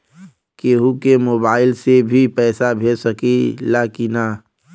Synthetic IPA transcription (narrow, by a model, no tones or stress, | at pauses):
keːɦukemoːbaːɪlsebʱipɛːsabʱeːsəkilaːkina